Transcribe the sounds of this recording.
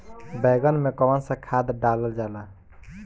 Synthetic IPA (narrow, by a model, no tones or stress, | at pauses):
bəɡənmekɔwənsə̃kʰad̪ɖaləld͡ʒala